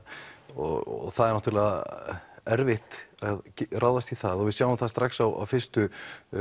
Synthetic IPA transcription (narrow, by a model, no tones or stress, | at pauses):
ɔ̰θaðɛɾnaht̪ɾlɛɣa | ɛɾvɪht̪aðraːwðast̪iθaðɔvɪðsjaːwʏmθast̪ɾaxsawa̰wfɪr̥st̪ʏ